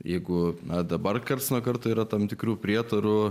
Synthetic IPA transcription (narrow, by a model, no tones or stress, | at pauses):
jɛɪɡʊnɐd̪ɐbɐrkɐrt̪snoːkɐrt̪oːiːɾɐt̪ɐmt̪ʲɪkɾuːpʲɾʲiɛt̪ɐɾʊ